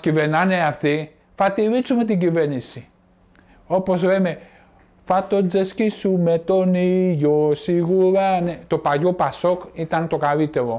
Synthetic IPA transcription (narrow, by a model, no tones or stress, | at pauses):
civeɾnɐneaft̪i | θɐt̪iɾisumet̪̬iɟiveɾnisi | o̞po̞zɾeme | fɐt̪o̞d͡zescisumet̪oniʝosiɣuɾanet̪o̞paʝopɐso̞kit̪ɐnt̪o̞kalit̪e̞ɾo̞